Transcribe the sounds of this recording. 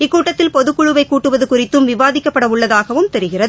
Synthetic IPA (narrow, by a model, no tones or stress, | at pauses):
ɪkːuːʈːɐt̪ːɪlpɔðɯkːʊɻɯʋɐɪkːuːʈːɯʋɐðɯkʊrɪt̪ːɯmʋɪʋaːðɪkːɐpːɐɽɐʋʊɭːɐðaːɣɐʋɯmt̪ɛɾɯɣɪrɐðɯ